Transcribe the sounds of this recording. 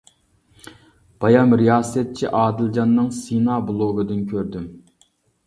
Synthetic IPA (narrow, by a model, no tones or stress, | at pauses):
b̥ɑjɑmɾijɑːsɛt̪̚t͡ʃʰiʔɑːd̪ɪlˠd͡ʒɑnːɨŋsinɑblˠoɡɨd̪ɨnkʲʰøɾd̪ym